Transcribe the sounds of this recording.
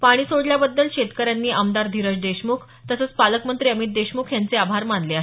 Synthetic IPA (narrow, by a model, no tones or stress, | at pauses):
paɽ̃iːsoɽljabəd̪ːəlɕet̪kəɾjanːiːʔəmd̪aɾd̪ʱiɾəd͡ʑd̪eɕmuːkʰ | t̪əsəːt͡spaləkmənt̪ɾiːəmit̪̚d̪eɕmukʰjant͡seabʱaɾmand̪leaɦ